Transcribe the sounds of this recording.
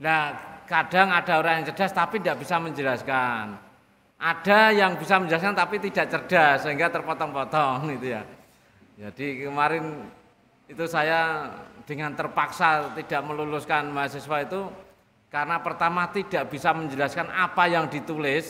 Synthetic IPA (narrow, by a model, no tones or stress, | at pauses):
lakad̥aŋad̥a̤oɾaŋjaŋt͡ʃəd̥ast̪apindaʔb̥isaməɲd͡ʒəlaskan | ʔad̥ajaŋbisaməɲd͡ʒəlas̬kant̪apit̪idaʔt͡ʃərd̥asːəɦiŋɡat̪ərpɔt̪ɔŋpɔt̪ɔŋit̪uja̰ | d͡ʒad̥ikəmaɾɪn | it̪usajad̥əŋant̪ərpaksat̪id̥aʔməlulʊskanmaɦas̬isuait̪u | kaɾənapərt̪amat̪id̥aʔb̥isaməɲd͡ʒəlaskanapajaŋdit̪ulɪs